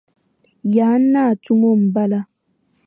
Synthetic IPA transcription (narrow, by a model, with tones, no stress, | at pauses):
jaː˨˦nːa˦˨t͡ʃu˦mo˦˨m̩˨ba˦la˦